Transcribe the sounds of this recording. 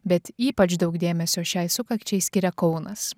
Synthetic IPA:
bʲɛt̪iːpɐt͡ʃd̪ɒʊɡd̪ʲeːmʲɛsʲoːʃʲɛɪsʊkɐkt͡ʃʲɛɪsʲkʲɪɾʲɛkɒʊnɐs

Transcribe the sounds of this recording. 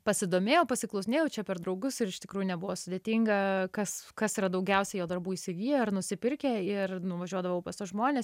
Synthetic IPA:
pɐsʲɪd̪oːmʲeːjɛʊpɐsʲɪklˠɔʊsʲɪnʲeːjɛʊt͡ʃʲɛpʲɛrd̪ɾɒʊɡʊsɪɾɪʃt̪ʲɪkɾuːjʊnʲɛbʊʋoːsʊd̪ʲeːt̪ʲiːŋɡɐkɐskɐsiːɾɐd̪ɐʊɡʲɛʊsʲɛjoːd̪ɐrbuːiːsʲɪɡʲiːjoːɪrnʊsʲɪpʲɪɾʲkʲɛɪrnʊʋɐʒʲuɔd̪ɐʋɐʊpɐstoːʒmoːnʲeːs

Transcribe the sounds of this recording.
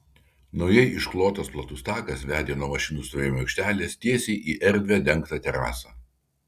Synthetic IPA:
nɔʊjɛɪɪʃklˠoːt̪oːsplˠɐt̪uːst̪ɑːkɐsʋʲæːd̪ʲeːnoːmɐʃʲɪnuːst̪oːɾʲɪmʲoɐʊkʃʲt̪ʲæːlʲeːst̪ʲiɛsʲeɪʔiːʔɛɾʲd̪ʲʋʲæːˑd̪ʲɛŋkt̪ɑˑt̪ʲɛɾɑ̰ːsɑː

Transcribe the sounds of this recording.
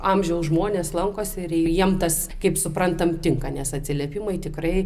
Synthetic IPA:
ɑmʲʒʲɛʊsʒmoːnʲeːslˠɐŋkoːsɪɾɪjiɛmt̪ɐs | kɐɪpsʊpɾɐnt̪ɐmt̪ʲɪŋkɐnʲɛsɐt̪ʲsʲɪlʲeɛpʲɪmɐɪt̪ʲɪkɾɐɪ

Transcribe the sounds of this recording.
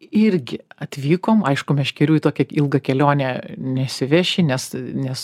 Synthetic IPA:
ɪɾʲɡʲɪɐt̪ʲʋʲiːkoːmɐɪʃkʊmʲɛsʃkʲɛɾʲuːit̪oːkʲɛɪlˠɡɐkʲɛlʲoːnʲɛːnʲɛsʲɪʋʲɛːʃʲɪnʲɛsnʲɛs

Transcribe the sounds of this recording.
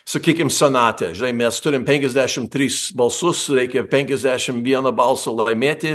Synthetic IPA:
sɐkʲiːkʲɪmsʲɛnɑːt̪ʲɛ̰ʒʲɪnɐɪmʲɛst̪ʊɾʲɪmpʲɛŋʲkʲɛzʲd̪ʲæːʃʲɪmt̪ʲɾʲiːsbɐlˠsʊsɾʲɛɪkʲɛpʲɛŋʲkʲɛzʲd̪ʲæːʃʲɪmʋʲiɛnɐbɐlˠsɐlˠɐɪmʲeːt̪ʲɪ

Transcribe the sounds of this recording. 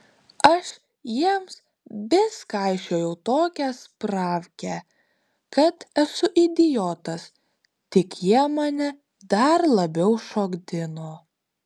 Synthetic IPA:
ɐʃ | jiɛms | bʲɪskɑˑɪʃʲoːjɛʊt̪oːkʲɛspɾɑːʋʲkʲɛ | kɐt̪ɛsʊʔɪd̪ʲɪjoːt̪ɐs | t̪ʲɪkjiɛmɑːnʲɛ | d̪ɐɾlˠɐbʲɛʊʃoːɡd̪ʲɪno

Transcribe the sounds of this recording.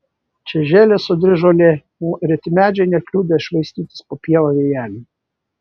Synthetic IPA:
t͡ʃʲɛʒʲeːlʲesʊd̪ʲɾʲɪʒolʲe | uːɾʲɛt̪ʲɪmʲæːd͡ʒʲɛɪnʲɛkʲlʲuːd̪ʲɐɪʃʋɐɪsʲt̪ʲiːt̪ʲɪ̥spoːpʲiɛlˠoʋʲeːjæːlʲi

